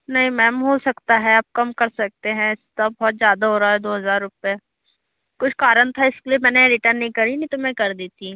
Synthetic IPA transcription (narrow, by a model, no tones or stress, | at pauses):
nɐɦĩmɛ̃ːmɦosɐkt̪aɦɛaːp̚kɐmkɐɾsɐk̚t̪eɦɛ̃ɪst̪abɔːt̪zjaːd̪aɦoːɾaaɦɛd̪oːɦɐzaːɾːʊpja | kʊt͡ʃʰkaːɾənt̪ʰaɪskliemɛ̃ːneɾɪʈənːɦĩkɐɾinɐĩt̪omɛ̃kɐɾd̪eːt̪i